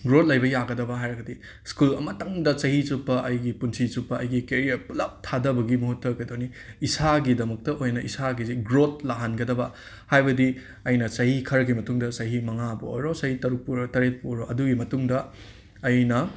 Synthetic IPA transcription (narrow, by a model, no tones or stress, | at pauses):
ɡɾot̚lɐjbɐjaɡɐdɐbɐɦajɾɐɡɐdi | skulɐmɐtɐŋdɐt͡ʃɐhizupːɐʔɐjɡipunsʰit͡ʃupːɐʔɐjɡikeɾiɐpulɐp̚tʰadɐbɐɡimuɦutːɐkɐjdoni | isaɡidɐmɐk̚tɐʔojnɐʔisaɡiziɡɾot̚laɦanɡɐdɐbɐ | hajbɐdi | ɐjnɐsɐɦikʰɐɾɐɡimɐtuŋdɐsɐɦimɐŋabɐojɾosɐhitɐɾuk̚puɾotɐɾet̚poɾoʔɐduɡimɐtuŋdɐː | jnɐ